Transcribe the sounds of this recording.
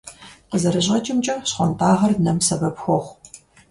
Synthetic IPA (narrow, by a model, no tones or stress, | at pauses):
qəzɐɾɨʑʁɐt͡ʃʼɪmt͡ʃʼɐɕχʷɔntʰaːʁɐrnɐmsɐbɐpxʷɔχʷ